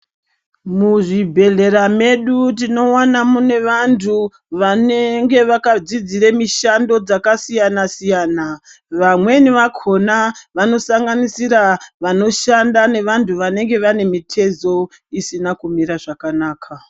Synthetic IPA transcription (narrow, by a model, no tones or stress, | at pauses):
muʐibʱe̞ɮe̞ɾame̞ɗut̬ino̞wanamune̞ʋantʰu | ʋaneŋɡe̞ʋakad͡zid͡ziɾemiʃando̞d͡zakasijanasijana | ʋamwe̞niʋakʰonaʋano̞saŋɡanisiɾaʋano̞ʃandane̞ʋantʰuʋane̞ŋɡe̞ʋane̞mitʰe̞zo̞ | isinakumiɾaʐakanaːkʰa